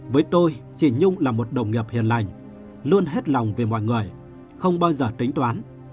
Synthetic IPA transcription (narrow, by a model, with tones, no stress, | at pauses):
vəː˨˦jt̪o˧jt͡ɕi˧˩ɲʊ˧ŋ͡mlaː˨˩mo˨˩t̚ɗə˨˩wŋ͡mŋi˨˩əp̚hḭ˨˩ənla˨˩jŋ̟ | lu˧ənɦe˦˥t̚la˨˩wŋ͡mve˨˩mɔ̰˧˨jŋɨ˨˩əj | xə˧wŋ͡mɓaː˧wzəː˨˩t̪ï˨˦ŋ̟t̪waː˨˦n